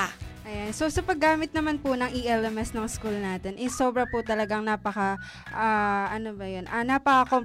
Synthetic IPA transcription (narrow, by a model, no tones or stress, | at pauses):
ʔɐjanso̞sɐpɐɡːaːmɪt̪̚nɐmanpʊnɐŋʔiʔɛlɛmɛsnɐŋskulnaːt̪ɛnʔɛso̞ːbɾɐpʊt̪ɐlɐɡaŋnaːpɐkɐ | ʔaːʔɐnobɐjo̞nʔɐnaːpɐkɐko̞